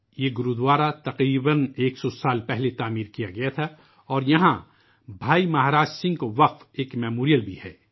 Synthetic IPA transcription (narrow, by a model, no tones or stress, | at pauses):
jeɡʊɾud̪ʋaːɾat̪ɐqɾiːbəneːksɔsaːlpɛɦlet̪aːmiːɾkijaɡɐjat̪ʰa | ɔːɾjɐɦã | bʱaːimɐɦaɾaːd͡ʒsɪ̃ŋɡkoʋɐqfeːkmɛːmoːɾijəlbʱihɛː